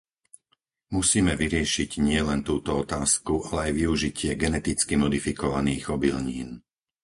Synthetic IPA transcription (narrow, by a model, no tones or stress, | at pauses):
musiːmɛʋiɾɪɛʃiɟɲɪɛlɛnt̪uːt̪ɔɔt̪aːskuʔalɛajʋiuʒicʰɪɛɡɛnɛt̪it͡skimɔd̪ifikɔʋaniːɣɔbilɲiːn